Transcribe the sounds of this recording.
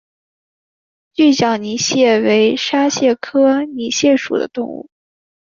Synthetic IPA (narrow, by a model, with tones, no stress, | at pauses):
t͡ɕy˥˩ɕjɑ˨˩ʊni˧˥ɕjɛ˥˩we˧˥ɪʂa˥ɕjɛ˥˩kʰɤ˥ni˧˥ɕjɛ˥˩ʂṵ˨˩d̪ə̰˦t̪ʊ˥˧ŋṵ˥˩